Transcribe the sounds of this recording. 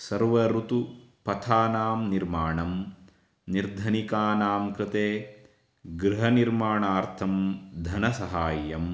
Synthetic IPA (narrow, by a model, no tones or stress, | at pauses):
sɐɾʋɐɾut̪upɐt̪ʰaːnaːmniɾmaːɳɐm | niɾd̪ʱɐnikaːnaːmkɾɪt̪eː | ɡɾɪɦɐniɾmaːɳaːɾt̪ʰɐmd̪ʱɐnɐsɐɦaːjɐm